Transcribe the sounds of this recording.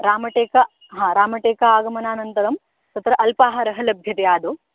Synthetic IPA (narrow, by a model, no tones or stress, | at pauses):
ɾaːmɐʈeːkɐ | ɦãːɾaːmɐʈeːkaaːɡɐmɐnaːnɐnt̪ɐɾɐm | t̪ɐt̪ɾɐʔɐlpaːɦɐɾɐɦɐlɐbʱjɐt̪ejaːd̪oː